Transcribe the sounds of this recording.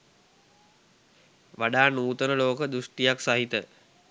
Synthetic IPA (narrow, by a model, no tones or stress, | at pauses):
ʋaɖaːnuːt̪ənəloːkəd̪ɾuʂʈijaksaɦit̪ə